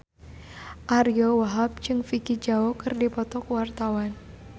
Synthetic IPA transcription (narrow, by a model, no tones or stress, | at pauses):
ʔaɾjowaɦap̚t͡ʃɨŋfikid͡ʒaɔkɨrdipɔt̪ɔkwart̪awan